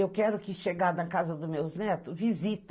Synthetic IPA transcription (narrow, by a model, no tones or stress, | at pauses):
ewkɛɾʊkɪʃeɡad̪ɐ̃kazɐd̪ʊmewznɛt̪ʊvizit̪